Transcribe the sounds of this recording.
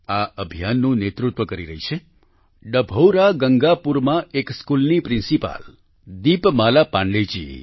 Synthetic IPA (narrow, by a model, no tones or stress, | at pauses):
aʔəbʱijanːũnet̪ɾut̪ʋəkəɾiɾəɦit͡ʃʰe | ɖəbʱowɾaɡəŋɡapuɾmãekskulnipɾĩnsipa̰l | d̪ipmalapãɳɖled͡ʒḭ